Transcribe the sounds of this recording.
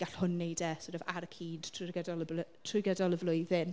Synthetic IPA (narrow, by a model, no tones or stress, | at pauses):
ɡ̥aɬhʊnːejdɛsɔɾɛvaɾəkʰiːd̥tʰrʊɡədɔləbltʰrʊɡɛdɔlˠəvlʊjðɪn